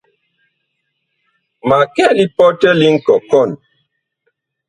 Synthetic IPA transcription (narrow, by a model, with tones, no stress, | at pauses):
ma˨kɛ˦li˦pɔ˦tɛ˦li˦ŋ̩˦kɔ˨kɔ˦˨n